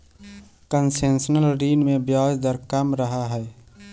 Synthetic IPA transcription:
kənsensənəlɾiːnmẽbjaːd͡ʒd̪əɾkəmɾəɦaɦɛɛ

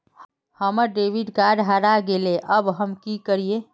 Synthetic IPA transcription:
həməɾɖeʋiɖkaɖɦaɾaɡeleʔəbɦəmkikəɾie

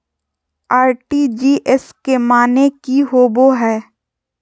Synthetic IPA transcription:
aːɾʈid͡ʒiːʔɛskemaːnekiɦoːboɦɛː

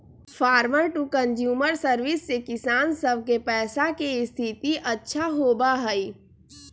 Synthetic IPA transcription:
faːɾməɾʈukə̃nd͡ʒjuːməɾsəɾʋɪsːekɪsaːnsəb̚ʱkepɛːsakeɪst̪ʰɪt̪iʔɐtːʃʰaɦoːbaɦɛi

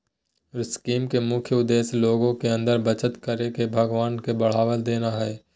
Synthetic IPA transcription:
ɾɪskiːmkemʊkʰjəʊd̪ːeːsloːɡõkeɐ̃nd̪əɾbət͡ʃət̪kəɾekebʱəɡʋaːnkebɐɽ̤aːʋəld̪eːnaɦɛː

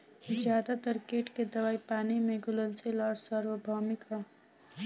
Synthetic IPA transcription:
d͡ʒjaːd̪at̪ʌɾkeʈked̪əwaːipaːnimẽɡulənselɔɾsəɾʋəbʱɔmika

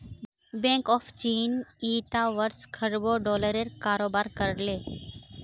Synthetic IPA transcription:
bẽːŋkɔːft͡ʃiːniːt̪aːʋəɾskʰəɾboːɖɔːləɾeɾkaːɾoːbaːɾkəɾleː

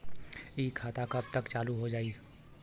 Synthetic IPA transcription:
iːkʰːaːt̪akɐb̚t̪əkt͡ʃaːluɦod͡ʒaːiː

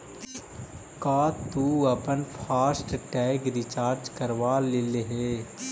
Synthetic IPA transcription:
kaːt̪uːɐpənpʰaːsʈʈɛːkɾɪt͡ʃaːɾd͡ʒkəɾʋaːlɪleɦeː

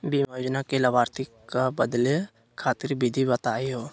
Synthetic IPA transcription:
bimod͡ʒnakeləbaːɾt̪ikabəd̪le | kʰaːt̪ɪɾbɪd̪ʱibət̪aːiɦoː

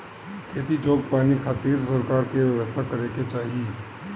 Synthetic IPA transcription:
kʰeːt̪id͡ʒoːɡ̚paːnikʰaːt̪iːɾsɐɾkaːɾkeʋjəʋəst̪ʰakɐɾeket͡ʃaːɦie

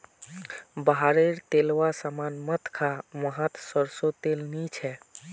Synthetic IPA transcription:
baɦaɾeɾt̪elwasamanmət̪kʰaməɦət̪səɾsot̪elnit͡ʃʰɛ

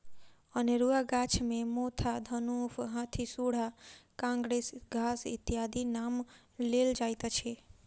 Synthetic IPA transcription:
əneɾuaɡat͡ʃʰmẽmot̪ʰad̪ʱənufɦãt̪ʰisuɽ̤akãŋɡɾesɡʱasḭt̪ːiɦad̪inam | leld͡ʒajt̪at͡ʃʰe

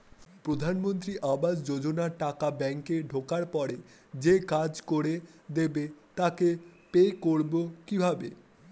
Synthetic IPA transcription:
pɾod̪ʱanmont̪ɾiʔabad͡ʑd͡ʑod͡ʑonaʈakabɛŋkeɖʱokaɾpɔɾe | d͡ʑekad͡ʑkoɾed̪ebet̪akepekoɾbokibʱabe

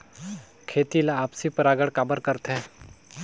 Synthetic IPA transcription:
kʰeːt̪ilaaːpsipəɾaːɡəɽkaːbəɾkəɾt̪ɦɛ̃ː

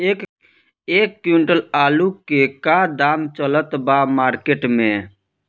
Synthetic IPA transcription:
eːkːuɳʈəlaːlukekad̪aːmt͡ʃələt̪bamaːɾkeʈmẽ

